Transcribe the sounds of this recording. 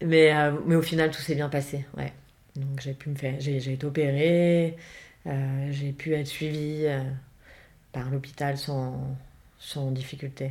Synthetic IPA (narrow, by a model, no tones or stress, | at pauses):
mɛømɛofinalt̪u̥sɛbjɛ̃pasewɛ̰ | d̪ɔ̃kʒepyməfɛʁʒeʒeet̪eopeʁe | øʒepʰyɛt̪χsɥiviø | paʁlopi̥t̪alsɑ̃ | sɑ̃d̪ifikʲylt̪e